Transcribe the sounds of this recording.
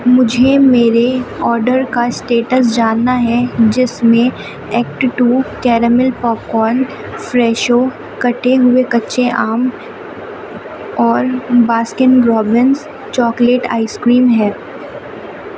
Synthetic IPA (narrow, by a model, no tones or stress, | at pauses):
mʊd͡ʒʱemeːɾeɔːɾɖəɾkasʈeːʈəs̬d͡ʒaːnːaɦɛd͡ʒɪsmẽ | ɛːk̚ʈʈuːkɛːɾəmɪlpɔːp̚kɔːn | fɾɛːʃo | kɐʈeɦʊekɐtːʃeʔaːm | ɔːɾbaːskɪnɾɔːbɪns | t͡ʃɔːkleːʈa̰ːɪskɾiːmɦɛː